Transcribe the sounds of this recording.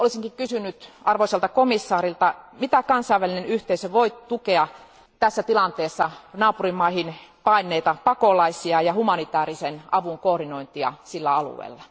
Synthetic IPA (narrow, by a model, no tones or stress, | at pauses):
olisiŋkikkysynːyt̪ɑrʋoiselt̪ɑkomisːɑːɾilt̪ɑmit̪ækɑnsɑiʋælinenyht̪eisøʋoit̪ukeɑ | t̪æsːæt̪ilɑnt̪eːsːɑnɑːpurimːɑihinpɑinːˑeit̪ɑpɑkolɑisiɑjɑhumɑnit̪æːɾisenɑʋuŋkoːrdinoint̪iɑ̰silːæɑlṵḛilːɑ